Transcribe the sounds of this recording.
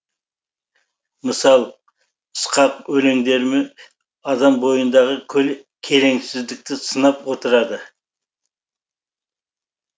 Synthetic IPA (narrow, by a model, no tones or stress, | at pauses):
məsɑlˠ | ʊsqɑqwɵleŋd̪e̞ɾmɪ | ɑd̪ɑmbo̞jənd̪ɑʁəkʲʰɵl | kʲʰe̞ɾe̞ŋsɪzd̪ɪk̚t̪ɪsənɑpwo̞t̪əɾɑd̪ə